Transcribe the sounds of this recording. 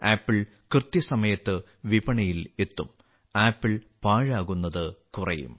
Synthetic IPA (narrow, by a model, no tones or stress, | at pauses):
aːpːiɭ | krɨt̪jɐsɐmɐjɐt̪ːɨ | ʋibɐɳɐjile̞t̪ːum | aːpːiɭ | paːɻaːɣunːɐðɨkurɐ̰jṵm